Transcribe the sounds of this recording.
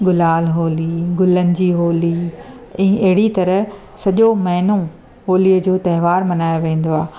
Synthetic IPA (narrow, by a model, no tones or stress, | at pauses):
ɡʊlaːlɦoːliɡʊlənɪ̆d͡ʑiːɦoːli | ɛ̃ːɐɦɪɽit̪ɐɾəɦ | sɐʄomɐɦnõ | ɦoːliəd͡ʑoːt̪ɐɦɪʋaːɾmɐnaːjoʋẽːn̆d̪oaː